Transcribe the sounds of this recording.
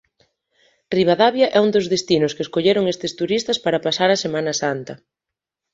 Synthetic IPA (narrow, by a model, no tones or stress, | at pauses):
riβ̞aðaβjɐʔɛund̪ozðest̪inʊskeːskoʎeɾoŋest̪est̪uɾist̪ɐspaɾapasaɾɐsemanɐsant̪ɐ